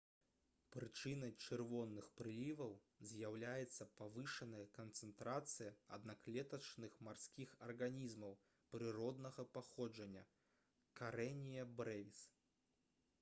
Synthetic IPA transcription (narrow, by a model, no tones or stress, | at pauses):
pɾɨt͡ʂɨnɐjt͡ʂɨrvɔnːɨxpɾɨlʲivɐw | zʲjawlʲajɛt̪sːɐpavɨʂɐnɐjɐkɐnt̪sɛnt̪ɾat̪sɨjɐɐ̰d̪naklʲɛt̪ɐt͡ʂnɨxmarsʲkʲixɐrɣanʲizmɐw | pɾɨɾɔd̪nɐɣɐpaxɔd͡ʐɐnʲːɐ̰ | kaɾɛnʲijɐbɾɛvʲis